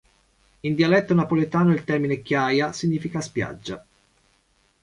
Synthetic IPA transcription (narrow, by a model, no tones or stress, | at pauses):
ind̪ialɛt̪ːonapolet̪aːnoilt̪ɛrminekjajasiɲːiːfikaspja̰d͡ʒːa